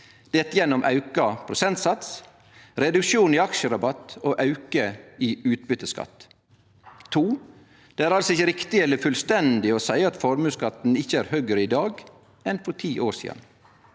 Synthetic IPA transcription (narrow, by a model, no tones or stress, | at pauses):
d̪̥ɛt̪ːjɛnːɔmʔɑ̰ʉkɑpʰɾʊsɛnt̪sɑt̪s | ɾɛd̪ʉkʃuːniːɑkʃəɾɑbɑt̪oːʔɑʉkəiːʉːt̪̚bʏt̪əskɑ̰t̪ | uː | d̪̥eːæːɾɑlsɔɪçəɾɪkt̪ɪɛlːəɾfʉlst̪ɛnd̪ɪɔːsæɪɑt̪fɔɾmʉːskɑt̪n̩ɪçəæːɾhœɡɾəɪd̪ɑːɡ | ɛnfɔt̪ʰiːʔoːɾsḭːd̪ɑ̰n